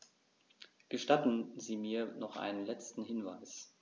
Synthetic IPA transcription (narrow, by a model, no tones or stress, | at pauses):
ɡ̥əʃtatn̩ziːmiːɐnɔχʔa̰ɪnənlɛt͡stn̩ɦɪnva̰ɪs